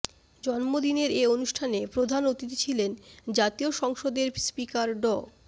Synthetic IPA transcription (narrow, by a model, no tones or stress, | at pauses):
d͡ʑɔnmod̪ineɾeonuʃʈʰanepɾod̪ʱanot̪it̪it͡ɕʰilend͡ʑat̪ioʃɔŋʃod̪eɾspikaɾɖɔ